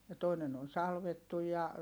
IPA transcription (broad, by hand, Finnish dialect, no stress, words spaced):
jɑ toinen on sɑlʋetːuj jɑ